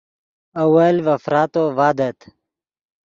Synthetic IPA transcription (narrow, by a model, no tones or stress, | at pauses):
ɐwɐlvɐfɾaːt̪oːvaːd̪ɐt̪